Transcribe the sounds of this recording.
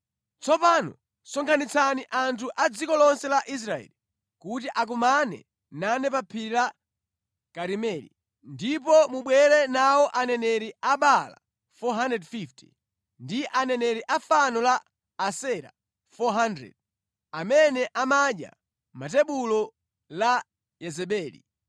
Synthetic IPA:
t͡sɔpanɔ̰ | sɔŋkʰanit͡saniʔantʰuʔad͡zikɔlɔnsɛlaʔis̬ɾaɛ̰li | kut̬iʔak̬umanɛ̰ | nanɛpapʰiɾa | kaɾimɛːɾḭ | ndip̬ɔmuɓwɛɾɛnawɔʔanɛnɛɾiaɓala̰ | fɔɦandɛdfifti̥̰ | ndiʔanɛnɛɾiʔafanɔlaː | sɛɾa̰ | fɔɦandɾɛ̰d̚ | amɛnɛʔamaɗja̰ | matɛɓulɔ | la | jɛzɛɓɛːlḭ

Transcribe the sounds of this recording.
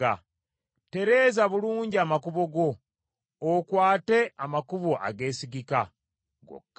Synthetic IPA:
a | te̞ɾe̞ːzaβuluːɲɟiamakuβo̞ɡo̞ː | kwaːte̞amakuβoʔa̰ɡe̞ːsiɡika | ɡo̰kː

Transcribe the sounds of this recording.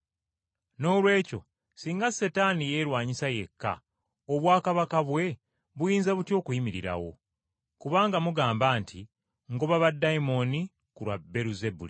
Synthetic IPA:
no̞ːlwe̞ːco̞̰ | siːŋɡase̞tanije̞ːɾwaːɲisaje̞kːa̰ | oβwaːkaβakaβwe̞ | βujiːnzaβutjo̞ːkuimiɾiɾa̰wo̞ | kuβaːŋɡamuɡaːmbaːntʰi | ŋɡoβaβadːaimo̞ni | kuɾwabe̞ɾuze̞bṵli

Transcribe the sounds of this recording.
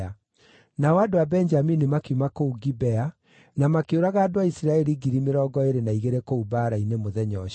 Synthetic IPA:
a | nawadowabɛɲd͡ʒaminimakiumakouɡibɛa | namakeoɾaɣaːdoaisiɾaɛɾiɡiɾimeɾɔɡɔeɾenaiɣeɾekoubaːɾainemoðɛɲɔɕ

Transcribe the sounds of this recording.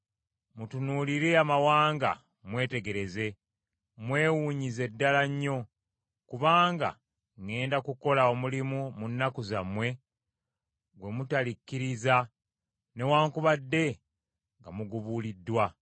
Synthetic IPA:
mutunuːliɾe̞amawaːŋɡa̰ | mwe̞ːte̞ɡe̞ɾe̞ze̞ | mwe̞ːwuːɲize̞dːalaɲːo̞ | kuβaːŋɡa̰ | ŋe̞ːndakuko̞lao̞mulimumunːakuzamwe̞ | ɡwe̞mutalicːiɾiza | ne̞waːŋkuβadːe̞ | ŋɡamuɡuβulidːwa

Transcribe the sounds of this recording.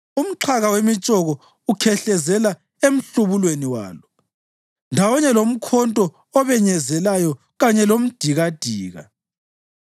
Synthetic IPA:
um̩ǁʰaɣawemit͡ʃʼɔɣɔ | ukʰɛɬɛzɛla | em̩ɬuβulweniwa̰ːlɔ | ndʱawɔɲɛlom̩kʰɔntʼɔ | ɔβɛɲɛzɛlajɔ | ɣaɲɛlom̩d̥ʱiɣad̥ʱiːɣa̰

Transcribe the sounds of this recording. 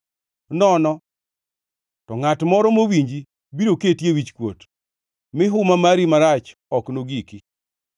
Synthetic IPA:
nɔnɔ | tɔŋatmɔɾɔmowiɲd͡ʒi | biɾoketjewit͡ʃkwot | mɪɦʊmamaɾimaɾat͡ʃ | ɔknoɡiki

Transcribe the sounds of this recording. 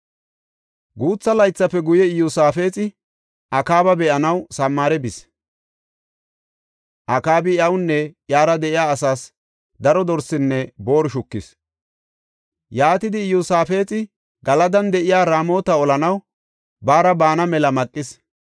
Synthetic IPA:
ɡuːt͡sːɐlɐjt͡sːɐpːɛɡʊjɛɪjʊsaːfe̞ːt͡sʼɪ | ʔɐkaːbɐbɛʔɐnɐwsɐmːaːɾɛbɪs | ʔɐkaːbɪjɐwnːɛʔjaːɾɐd̪ɛʔɪjaːsaːs | d̪ɐɾɔd̪ɔɾsɪnːɛbo̞ːɾʃʊkːɪs | jaːt̪ɪd̪ɪːjʊsaːfe̞ːt͡sʼɪ | ɡɐlɐd̪ɐnd̪ɛʔɪjaːɾaːmo̞ːt̪ɐɔlɐnɐw | baːɾɐbaːnɐmɛlɐmɐkʼːɪs

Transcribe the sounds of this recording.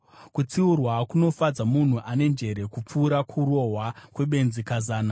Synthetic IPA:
kut͡siurwakuno̞fad͡zamun̤uʔane̞nd͡ʒe̞ɾe̞kup͡fuːɾakʰuɾo̞ɦwakwe̞ɓe̞nzikazaːna

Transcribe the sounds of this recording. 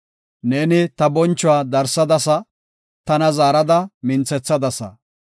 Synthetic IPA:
neːnɪt̪ɐbɔnt͡ʃːʊwaːd̪ɐɾsɐd̪ɐsɐ | t̪ɐnɐzaːɾɐd̪ɐmɪnt͡sɛt͡sːɐd̪ɐsɐ̰

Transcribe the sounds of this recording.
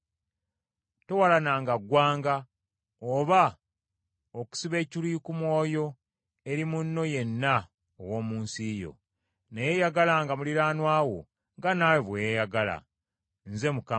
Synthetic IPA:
to̞walanaːŋɡaɡwaːŋɡa | oβa | oku̥siβe̞ːciliːkumwo̞ːjo̞ | e̞ɾimunːo̞je̞nːa | owo̞ːmuːnsijo̞̰ | nejeːjaɡalaːŋɡamuliɾaːnwaːwo̞̰ | ŋɡanaːweβwejejaɡala̰ | nze̞muka

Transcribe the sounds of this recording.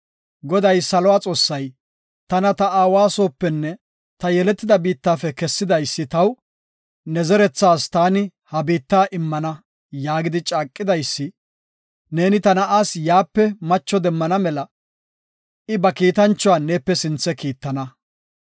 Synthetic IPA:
ɡɔd̪ɐjsɐlɔaːt͡sʼo̞ːsːɐj | t̪ɐnɐt̪ɐaːwaːso̞ːpːɛnːɛ | t̪ɐjɛlɛt̪ːɪd̪ɐbiːt̪ːaːfɛkɛsːɪd̪ɐjsːɪt̪ɐw | nɛzɛɾɛt͡sːaːst̪aːnɪhɐbiːt̪ːaːʔɪmːɐnɐ | jaːɡɪd̪ɪt͡ʃʼaːkʼːɪd̪ɐjsːɪ | ne̞ːnɪt̪ɐnɐʔaːsjaːpːɛmɐt͡ʃːɔd̪ɛmːɐnɐmɛlɐ | ʔɪbɐkiːt̪ɐnt͡ʃːʊwaːneːpːɛsɪnt͡sːɛkiːt̪ːɐnɐ

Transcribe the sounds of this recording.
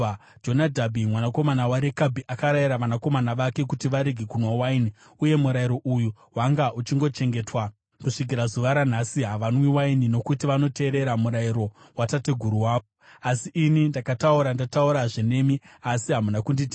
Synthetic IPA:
d͡ʒo̞nadʱabʱimwanako̞manawaɾekabʱiʔakaɾajiɾaʋanako̞manaʋake̞kutiʋaɾeɡʱikunwowaini | uje̞muɾaiɾo̞ʔujuɦwaŋɡaʔut͡ʃiŋɡo̞t͡ʃe̞ŋɡe̞twa | kuʂik̬iɾazuʋaɾan̤asiɦaʋanwiwainino̞kutiʋano̞te̞ːɾe̞ɾamuɾaiɾo̞ | watateɡʱuɾuwaːo | asiʔinindakatauɾandatauɾaʐene̞miasiɦamunakunditi

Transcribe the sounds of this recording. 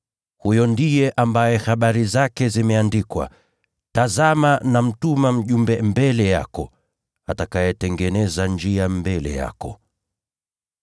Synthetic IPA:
hujɔndijɛʔambajɛhaɓaɾizakɛzimɛandikwa̰ | tazamanam̩tumam̩ʄumbɛmbɛlɛja̰kɔ | atakajɛtɛŋɡɛnɛzand͡ʒiambɛlɛ̰ja̰kɔ

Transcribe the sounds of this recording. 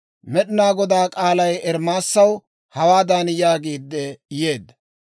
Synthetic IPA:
mɛɗɪnaːɡɔd̪aːkʼaːlɐjɛɾmaːsːɐw | hɐwaːd̪aːnjaːɡiːd̪ːɛjeːd̪

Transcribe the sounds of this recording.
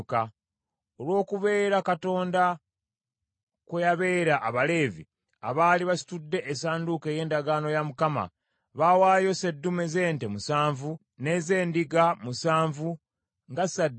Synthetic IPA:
ka | olwo̞ːkuβe̞ːɾakato̞ːnda | kwejaβe̞ːɾaʔːβale̞ːvḭ | a̰βaːliβasi̥tudːe̞ʔesaːndukeje̞ːndaɡaːno̞jamukama̰ | βawaːjo̞se̞dːumeze̞ːntemusaːɱvu | ne̞ze̞ːndiɡamusaːɱvu | ŋɡasadː

